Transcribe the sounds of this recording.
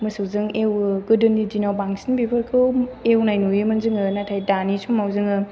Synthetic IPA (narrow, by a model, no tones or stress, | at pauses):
mɯsɯwzɯŋewɯɡɯdɯnidinawbaŋsinbibʰɯɾkʰɯwewnajnujɯmɐnzɯŋɯnatʰajdanisʰumawzɯŋɯ